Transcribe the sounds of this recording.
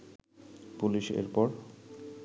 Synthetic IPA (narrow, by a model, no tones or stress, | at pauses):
puliʃḛɾpɔɾ